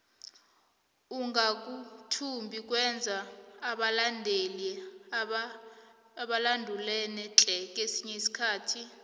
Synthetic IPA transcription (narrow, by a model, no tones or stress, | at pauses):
uŋɡʱak̬ʼutʰumbʱik̬ʼwɛnd͡zʱaːɓalandʱeli | ɓalandʱulɛnɛǁʼɛk̬ʼesiɲɛisi̥kʰaːtʰi